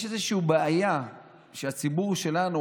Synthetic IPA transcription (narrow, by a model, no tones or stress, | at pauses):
ʃezeʃiubeaja | ʃeat͡sibuʁʃe̞lanu